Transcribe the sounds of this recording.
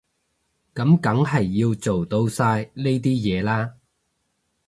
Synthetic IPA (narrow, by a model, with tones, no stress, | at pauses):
kɐ˨˥mkɐ˨˥ŋɦɐ˨jːiː˧wt͡so˨wt̪o˧wsaː˧jle˥jt̪̬iː˥jɛː˨˧laː˥